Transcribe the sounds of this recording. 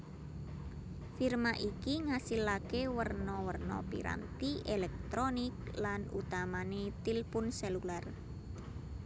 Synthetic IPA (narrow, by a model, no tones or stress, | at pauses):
firmaʔikiŋasilakewərnɔwərnɔ̰pḭɾa̰nt̪iʔelɛk̚t̪ɾonɪk̚lanṵt̪amanet̪ilpʊnsɛlular